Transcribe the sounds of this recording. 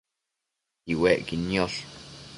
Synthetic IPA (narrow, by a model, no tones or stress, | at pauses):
iweʔkinjoɬ